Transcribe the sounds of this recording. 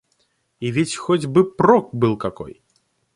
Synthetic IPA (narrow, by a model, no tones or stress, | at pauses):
ivʲit͡sʲxɔd͡zʲbɨpɾɔk̚bɨlˠkakɔ̰j